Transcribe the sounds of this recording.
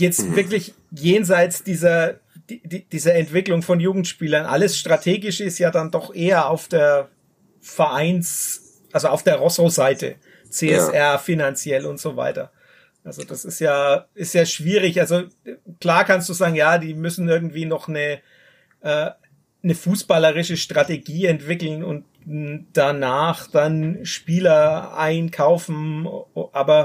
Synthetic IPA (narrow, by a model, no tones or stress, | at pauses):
jɛt͡stvɪɐklɪç | jeːnzaɪtt͡sd̥iːzɐ | d̥idid̥iːzɐɛntv̥ɪklʊŋfɔnjuːɡŋ̩tʃpiːlɐnʔa̰ləsʃtʁ̥atʰeːɡɪʃəɪstjaːdandɔχʔeːɐaʊfd̥eːɐ | fɛɐʔaɪns | ʔalzoaʊfd̥eːɐʁɔsozaɪtə̰ | t͡seːɛsʔɛɐfinant͡sjɛlʊntz̥ova̰ɪtɐ̰ | ʔalzod̥asɪstjaːɪstjaːʃv̥iːʁ̞ɪçʔalzokl̥aːɐkʰanstd̥uːzaːɡŋ̩jaːdiːmʏsn̩ɪɐɡŋ̩tv̥iːnɔχnə | ʔɛː | nəfuːsb̥aləʁɪʃəʃtʁ̥ateɡiːɛntv̥ɪkl̩nʊ̰nt | d̥anaːχd̥anʃpiːlɐʔa̰ɪnkʰaʊfn̩ʔaːbɐ